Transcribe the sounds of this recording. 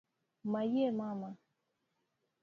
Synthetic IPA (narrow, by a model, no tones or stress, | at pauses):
majemama